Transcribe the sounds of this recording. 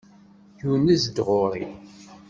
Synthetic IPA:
junːizəd̪ʁoɾˤḭ

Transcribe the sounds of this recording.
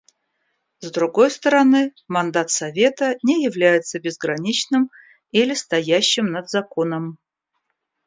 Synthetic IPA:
zd̪ɾʊɡo̞jst̪əɾɐnɨmɐnd̪at̪sɐvʲe̞t̪ənʲɪjɪvlʲæjɪt̪səbʲɪzɡɾɐnʲit͡ɕnɨm | ilʲɪst̪ɐjæɕːɪmnəd̪zɐko̞nəm

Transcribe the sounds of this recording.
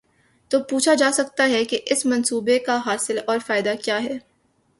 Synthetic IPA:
t̪oːpuːt͡ʃʰad͡ʒaːsɐk̚t̪aɦɛkeʔɪsmɐ̃nsuːbekaɦaːsɪlɔːɾfaːɪd̪akjaːɦɛː

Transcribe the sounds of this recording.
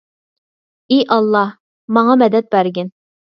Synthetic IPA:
iʔɑlˠːɑh | mɑŋɑmɛd̪ɛt̪̚bæɾɡʲɪn

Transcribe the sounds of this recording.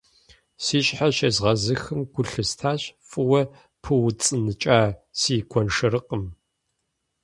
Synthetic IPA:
siːɕħaɕeːzʁɐzɨxɨmɡʷʊɬɨstʰaːɕfʼɨwɐ | pʰɨwt͡sʼɨnɨt͡ʃʼaːsiːɡʷʰɔnʂɨɾɨqʼəm

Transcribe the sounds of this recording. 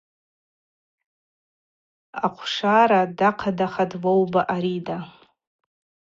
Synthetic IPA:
aqʷʰʂaɾadaqʰadaχadvowbaʔaɾida

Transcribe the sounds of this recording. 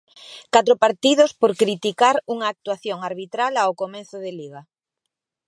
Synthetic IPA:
kat̪ɾopaɾt̪iðospoɾkɾit̪ikaɾuŋaːk̚t̪waθjoŋaɾβit̪ɾalaawkomẽnθoðeliɣ̞a

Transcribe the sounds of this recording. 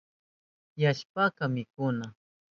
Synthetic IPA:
jaʃpakamɪkʊna

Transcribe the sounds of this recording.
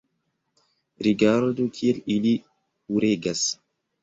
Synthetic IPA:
ɾiɡaɾod̪ukʰielili | uɾeɡas

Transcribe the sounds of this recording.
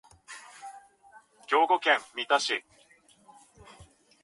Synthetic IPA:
ɡʲo̞ːɡokẽmmʲit̪aɕi

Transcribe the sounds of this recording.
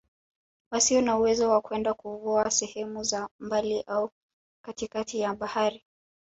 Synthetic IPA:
wasiɔnauwɛzɔwakuwɛndakuvɔasɛhɛmuzambaliʔau | katikatijaɓahaɾi

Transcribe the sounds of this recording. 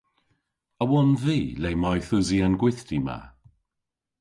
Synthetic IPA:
əwɔnviːlejmɔjθʊziənɡwɪθtima̰

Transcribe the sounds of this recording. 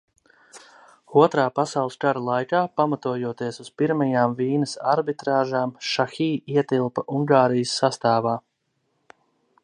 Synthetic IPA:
uɔt̪ɾaːpasawlˠskaɾalˠajkaːpamat̪uɔjuɔt̪iɛsuz̥piɾmɐjaːmviːnəsa̰ɾbit̪ɾaːʒaːmʃaxiːiɛt̪ilˠpɐʔuŋɡaːɾijəsːast̪aːvaː

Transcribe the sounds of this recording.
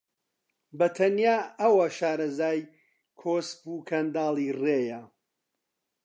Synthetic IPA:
bɐt̪ʰɐnjaːɐwɐʃaːɾɐzaːj | kʰoːsbukʰɐnd̪aːlˠireːjɐ

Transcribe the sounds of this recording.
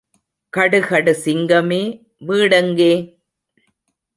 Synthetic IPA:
kɐɽɯɣɐɽɯsɪŋɡɐmeː | ʋiːɽɐŋɡeː

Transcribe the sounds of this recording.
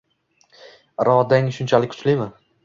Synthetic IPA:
ɾɒd̪aŋʃʊnt͡ʃʰalɪkʲʰʊ̥t͡ʃlɪmɪ

